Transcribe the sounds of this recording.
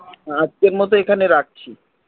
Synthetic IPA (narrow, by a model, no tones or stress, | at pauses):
ad͡ʑkeɾmɔt̪̬oekʰaneɾak̚t͡ɕʰi